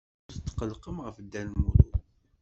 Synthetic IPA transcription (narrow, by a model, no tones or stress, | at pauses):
θt͡sːqːəlqəmʁəfd̪ːænmuɾˤʊ